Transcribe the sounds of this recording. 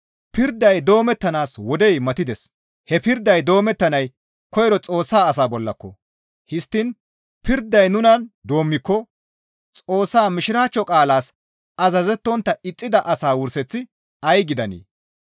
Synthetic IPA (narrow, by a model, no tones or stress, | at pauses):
pɪɾd̪ːɐjd̪o̞ːmɛt̪ːɐnaːswɔd̪ɛjmɐt̪ɪd̪ɛs | hɛpɪɾd̪ːɐjd̪o̞ːmɛt̪ːɐnɐj | kɔjɾɔt͡sʼo̞ːsːaːɐsaːbɔlːɐkːɔ | hɪst̪ːɪn | pɪɾd̪ːɐjnʊnɐnd̪o̞ːmːɪkːɔ | t͡sʼo̞ːsːaːmɪʃɪɾaːt͡ʃːɔkʼaːlaːs | ɐzɐzɛt̪ːɔnt̪ːɐɪt͡sʼːɪd̪ɐʔɐsaːwʊɾsɛt͡sːɪ | ɐjɡɪd̪ɐnḛː